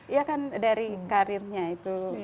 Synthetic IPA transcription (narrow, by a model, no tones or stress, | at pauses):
jakandaɾikaɾirɲait̪u